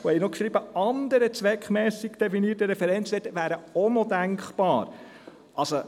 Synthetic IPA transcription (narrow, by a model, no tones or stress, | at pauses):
ohɛjnɔkʃɾibəɑnd̪əɾət͡sʋɛkχmɛːsɪkd̥ɛfiniətəɾɛfɛɾɛnt͡sdɛtəʋæːɾəonɔd̥æŋkχpɑːɾ | ʔɑlso